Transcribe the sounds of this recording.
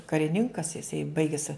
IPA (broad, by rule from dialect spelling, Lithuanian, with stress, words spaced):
kɐrʲɪˈnʲɪŋkɐs jɪˈsɐɪ ˈbɐɪɡʲɛs